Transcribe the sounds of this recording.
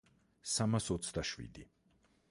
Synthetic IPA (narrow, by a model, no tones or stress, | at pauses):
samasɔt̪sʰd̪aʃwḭd̪i